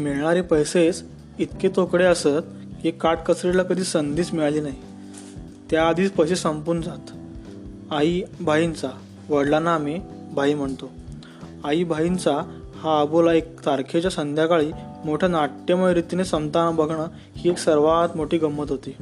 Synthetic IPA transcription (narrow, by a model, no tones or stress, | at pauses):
miɭɳaɾepəjset͡s | it̪ket̪okɽeəsət̪̚ | kiekːaʈ̚kəsɾiɽlakəd̪ʱiːsənd̪ʱiːt͡smiɭaliːnaɦi | t̪jaːd̪ʱiːt͡spəɕesəmpuɾɳd͡zat̪ | aibʱaint͡sa | ʋəɽlaname | bʱaiːm̤əɳt̪o | aiːbʱaint͡sahaəbolaekt̪aɾkʰet͡ɕjasənd̪ʱjakaɭiːmoʈʰanaʈːəməɾit̪inesəmt̪anabəɡʱɳə | hiːeksəɾʋat̪moʈʰiːɡəmːət̪ɦot̪iː